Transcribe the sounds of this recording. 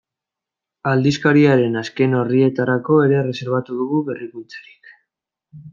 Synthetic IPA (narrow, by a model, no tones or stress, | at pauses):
ald̪iskaɾiaɾe̞naske̞no̞rie̞t̪aɾako̞e̞ɾe̞re̞se̞ɾβ̞at̪uðuɣuβe̞rikult͡sḁɾi̥k